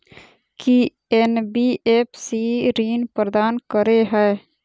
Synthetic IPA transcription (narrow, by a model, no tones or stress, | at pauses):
ki | enbieːpsiɾiːnpəɾd̪aːnkəɾeɦɛe